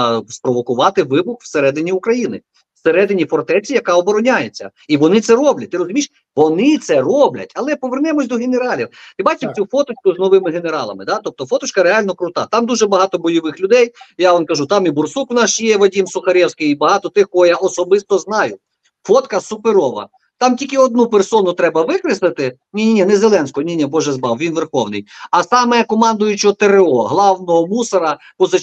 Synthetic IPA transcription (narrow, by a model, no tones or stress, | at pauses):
spɾɔʋɔkʊʋɑt̪ɪʋɪbʊxwseɾɛd̪ɪnʲiʊkɾɐjinɪ | seɾɛd̪ɪnʲifɔrt̪ɛt͡sʲijɐkɑɔbɔɾɔnʲajet͡sʲːɐ̰ | iʋɔnɪt̪sɛɾɔblʲɐt̚ʲt̪ɪɾɔzʊmʲiʃ | ʋɔnɪt̪sɛrɔblʲɐ̰tʲɐlˠɛpɔʋernɛmɔsʲd̪ɔɦeneɾɑlʲiwt̪ɪbɑt͡ʃɪt͡sʲufɔt̪ʊt͡ʃkʊznɔʋɪmɪɦeneɾɑ̰lˠɐ̰mɪd̪ɑt̪ɔp̚t̪ɔfɔt̪ʊt͡ʃkɐɾeɑlʲnɔkɾʊt̪ɑ̰t̪ɑmd̪uʒɛbɐɦɑt̪ɔbɔjɔʋɪxlʲʊd̪ɛjjaɔnkɐʒut̪ɑmibʊrsukwnɑʃjɛʋɐdʲimsʊxɐɾʲɛwsʲkɪjibɐɦɑt̪ɔt̪ɪxkɔɦɔjaʔɔsɔbɪst̪ɔznɑjʊ | fɔt̪kɐsʊpeɾɔʋɐ̰ | t̪ɑmtʲikɪɔd̪nupersɔnʊt̪ɾɛbɐʋɪkɾɪslˠɪt̪ɪnʲinʲinʲinɛzelˠɛnʲsʲkɔɦɔnʲinʲɛbɔʒɛzbɑwʋʲinʋerxɔwnɪ̰jɐsɑmɛkɔmɑnd̪ʊjʊt͡ʃɪɔt̪eɾeɔɦlˠɑwnɔɦɔmusɐɾɐ | pɔzɐ